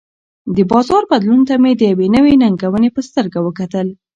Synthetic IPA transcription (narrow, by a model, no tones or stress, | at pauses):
d̪əbɑzɑɾbad̪lunt̪amed̪əjawenəwenaŋɡawənepəst̪əɾɡawəkat̪əl